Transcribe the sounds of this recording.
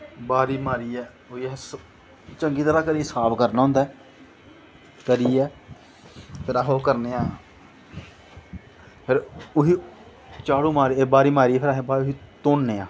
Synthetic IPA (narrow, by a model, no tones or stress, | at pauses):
baːɾiːmaːɾiːɛː | iːs | t͡ʃəŋɡiːt̪əɾãːkəɾiːsaːbkəɾnaːɦʊ̃ːnd̪aː | kəɾiːɛː | pʰɪɾaːɦoːkəɾneːãː | pʰɪɾʊɦiː | t͡ʃaːɽũːmaːɾiːeːbaːɾiːmaːɾiːɛːpʰɪɾaːɦebaːʊɦiːt̪oːnːeːãː